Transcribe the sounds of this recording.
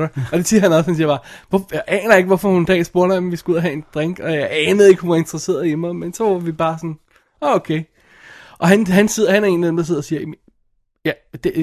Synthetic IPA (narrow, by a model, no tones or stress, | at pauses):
ɾɐɒ̽d̥esiːɐhænɒ̽shænsiɐb̥ɑ̈ʋɒjaɪʔɛːnɐje̝ɡ̥ʋɒfɒhund̥ɛ̰ːsb̥o̝ɐɾ̥ɑmʋisɡ̥uuð̰ˠɐɦɛe̝nd̥ʁeŋ̰ɡ̥ɒ̽jɑ̈ɪɛːnəðˠe̝ɡ̥hunʋɑɐe̝nd̥ʁɐse̝̰ːɐðˠimamensɒʋɑʋib̥ɑ̈ːsɒ̽n | ɒokʰeɪ | ʔɒ̽ɦænɦænse̝ð̰ˠɐɦænæɐe̝̰nliðemd̥ɐseð̰ˠɐsiːɐ | jæd̥e